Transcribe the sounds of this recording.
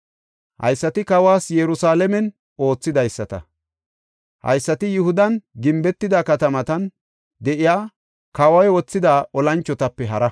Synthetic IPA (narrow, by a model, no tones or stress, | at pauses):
hɐ̰jsːɐt̪ɪkɐwaːsjɛɾʊsaːlɛmɛn | o̞ːt͡sːɪd̪ɐjsːɐt̪ɐ̰ | hɐ̰jsːɐt̪ɪjʊhʊd̪ɐnɡɪmbɛt̪ːɪd̪aːkɐt̪ɐmɐt̪ɐn | d̪ɛʔɪjaː | kɐwɐjwɔt͡sːɪd̪aːʔɔlɐnt͡ʃːɔt̪ɐpːɛɦɐɾɐ